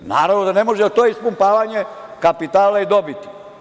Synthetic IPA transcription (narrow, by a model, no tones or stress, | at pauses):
na̰ːɾaʋnod̪anemoʒɛt̪oispumpaːʋaɲekapit̪aːlaid̪o̞bit̪i̥